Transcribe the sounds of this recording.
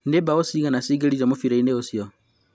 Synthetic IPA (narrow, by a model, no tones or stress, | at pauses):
ndebaosiɣanasiɡeɾiɾamofiɾaineosjɔ